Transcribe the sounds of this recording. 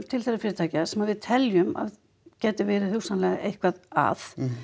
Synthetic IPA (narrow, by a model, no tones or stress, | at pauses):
t̪ʰɪlθɛsːafɪːɾɪt̪ʰaːcɪasɛmaðvɪðt̪ʰɛljʏma̰ð | cɛːt̪ɪvɛːɾɪθuwsanlɛɣaʔejhkvaða̰ːθ